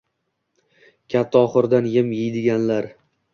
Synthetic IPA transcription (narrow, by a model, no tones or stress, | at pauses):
kʲʰat̪ʰːaɒχɨɾd̪anjɪmjɪjd̪ɪɡʲanlaɾ